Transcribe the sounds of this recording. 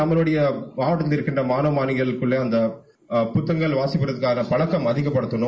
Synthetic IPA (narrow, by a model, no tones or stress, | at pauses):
ɐmɐlɯɽɐjɐʋaːʋɐʈɐt̪lɪɾɯkːɪndrɐmaːnɐːmaːnɪɣɐɭɪkːɯɭːeɐnd̪ɐ | pʊt̪ːɐŋɡɐɭʋaːsɪpːɪɾɐðɯkːaːnɐpɐɭɐkːɐmɐðɪɣɐpːɐɽɯt̪ːɐnʊ